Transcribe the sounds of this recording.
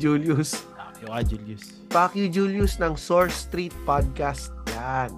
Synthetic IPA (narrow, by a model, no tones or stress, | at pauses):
d͡ʒuːljʊs | akjʊkad͡ʒuljʊs | paːkjʊd͡ʒuljʊsnɐŋsoɹst̪ɾit̪̚pad̪̚kast̪̚jan